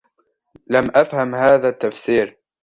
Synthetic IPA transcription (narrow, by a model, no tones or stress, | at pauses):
lamʔafhamhaːðaːt̪ːafsiːɾ